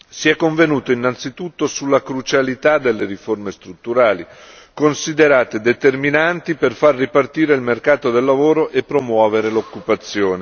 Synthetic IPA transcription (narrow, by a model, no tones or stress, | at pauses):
siɛkːoɱvenuːt̪oinːant̪sit̪ut̪ːosulːakɾut͡ʃalit̪ad̪elːeɾiformest̪ɾut̪ːuɾaːli | konsid̪eɾaːt̪ed̪et̪erminant̪iperfarːipart̪iːɾeilmerkaːt̪od̪elːavoːɾoʔepːɾomwɔːveɾelokːupat̪sːjoːne